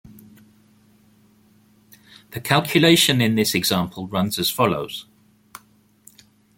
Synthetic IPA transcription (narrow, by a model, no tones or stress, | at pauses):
ðəkʰalˠkʰjəleɪʃə̃nɪ̃nðɪsɛɡz̥ɑ̃ˑmpʰəlˠɹʌ̃nz̥əz̥fɒloʊz̥